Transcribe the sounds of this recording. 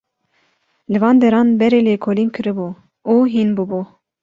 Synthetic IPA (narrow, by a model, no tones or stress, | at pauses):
lɨvɑːnd̪ɛɾɑːnbɛɾeːleːkʰolinkʰɨɾɨbuː | uːɦinbubu